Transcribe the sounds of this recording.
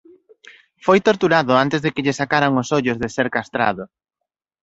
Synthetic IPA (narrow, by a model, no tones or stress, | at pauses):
fojt̪oɾt̪uɾaðʊant̪ɪzðɪkɪʎɪsakaɾaŋʊsoʎʊzðɪseɾkast̪ɾa̰ðʊ